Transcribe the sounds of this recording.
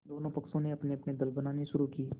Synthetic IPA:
d̪oːnõpɐksõneɐpneɐpned̪ɪlbənaːneʃʊɾukiː

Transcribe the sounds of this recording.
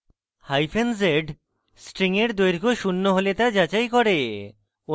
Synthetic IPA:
hajfʰenzeɖ | sʈɾiŋeɾd̪ojɾkoʃunːoɦolet̪ad͡ʑat͡ɕajkɔɾe | o

